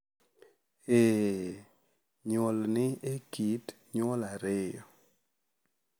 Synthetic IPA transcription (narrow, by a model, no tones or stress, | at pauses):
e | ɲolnɪekit | ɲɔlaɾɪjɔ